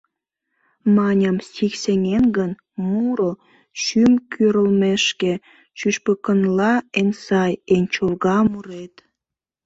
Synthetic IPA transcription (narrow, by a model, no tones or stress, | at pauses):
mɑnʲəmsikseŋenɡən | muɾo | ʃymkʰyɾəlmeʃke | t͡ɕyʃpəkənlɑensɑjenʲt͡ɕolɣɑmuɾet̪